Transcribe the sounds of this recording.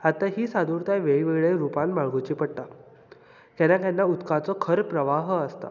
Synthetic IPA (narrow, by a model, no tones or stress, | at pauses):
at̪ːaɦiːsad̪ʱuɾt̪ajʋeɭiʋeɡɭeɾupãnmaɭɡʱut͡ɕiːpəɽʈ̪a | kɛnãkjanːaut̪kãt͡sɔkʰəɾpɾəʋaɦəst̪a̰